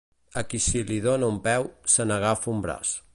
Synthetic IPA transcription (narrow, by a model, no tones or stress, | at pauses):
əkisiliðonəumpɛwsənəɣ̞afumbɾa̰s